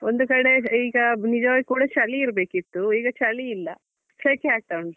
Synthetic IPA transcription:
ond̪ukɐɽe̞iːɡɐnid͡ʒɐʋaːɡikuːɽɐt͡ʃɐliːɾɐbe̞ːkit̪ːuiːɡɐt͡ʃɐliːlːɐ | t͡ʃekeaːk̚ʈɐwuɳɖ

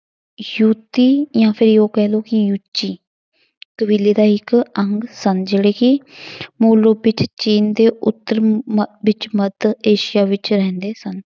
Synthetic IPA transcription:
juːt̪iːjãːpʰɪɾjoːkɛːloːkɪjuːt͡ʃːiː | kəʋɪliːd̪aːɪkəŋɡsənd͡ʒeːɽeːkɪmoːloːbɪt͡ʃt͡ʃiːnd̪eːʊt̪ːəɾʋɪt͡ʃməd̪eːʃɪjaːʋɪt͡ʃɾɛ̃ːnd̪eːsən

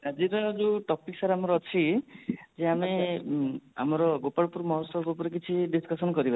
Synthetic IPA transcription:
ad͡ʒiɾɔd͡ʒuʈɔpiksaɾamɔɾɔɔt͡ʃʰi | d͡ʒeame | a̰mɔɾɔɡopaɽpuɾmɔɦɔsɔkupɔɾek̬it͡ʃʰiɖiskɔsɔnkɔɾiba

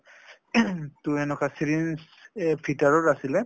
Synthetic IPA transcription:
tuɛnɔkasiɹins | pʰitaɹɔɹasilɛ

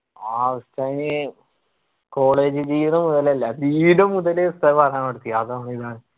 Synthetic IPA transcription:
aːʋɐstajne | ko̞ːɭeːd͡ʑɨd͡ʑiːʋɐnɐmuðɐlɐlːɐdiːʋinɐmːuðɐlest̪ɐpɐrɐjaːmpeɽut̪ːijɐɐðɐɳiðaːɳɨ

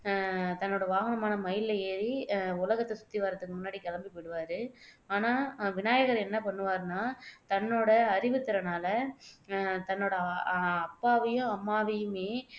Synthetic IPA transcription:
t̪ɐnːoːɽɐʋaːɣɐnɐmaːnɐmɐjɪlɐeːɾiʊlɐɣɐt̪ːɐsʊ̥t̪ːiʋaːɾɐt̪ːɯkːɯmʊnːaːɽikɐlɐmbipːɪɽɯʋaːɾɯaːnaːʋɪnaːjɐɣɐɾɛnːɐpɐɳːɯʋaːɾɯnaːt̪ɐnːoːɽɐːɾɪʋɯt̪ːɪɾɐnaːlɐ | t̪ɐnːoːɽɐɐpːaːʋɐjɯ̃ɐmːaːʋɐjɯmeː

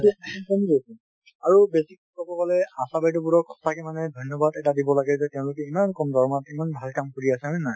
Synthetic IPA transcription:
ikɔmzosɛ | aɹubesikkɔbɔkalɛasabaitɔbuɹɔkʰːɔ̥sakɛmanɛdʱɔjnːɔbadɛtadibɔlaɡɛzɛtɛʊ̃lʊkɛimankɔmdɔɹmatimanbʱalkamkoɹiasɛina

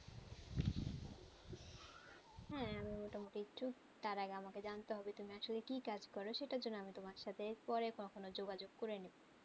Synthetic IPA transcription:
hɛ̃amimoʈamoʈiit͡ʃʰu | t̪aɾaɡeamaked͡ʑant̪eɦɔbet̪umiaʃolekikad͡ʑkɔɾoʃeʈad͡ʑonːoamit̪omaɾʃat̪ʰepɔɾekonokʰonod͡ʑoɡad͡ʑoɡ̚koɾenibo

